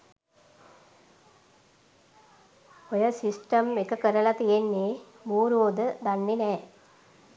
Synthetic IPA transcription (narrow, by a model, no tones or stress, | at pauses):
ojəsisʈəmekəkəɾəlat̪ijenːe | muːɾoːd̪əd̪anːenɛː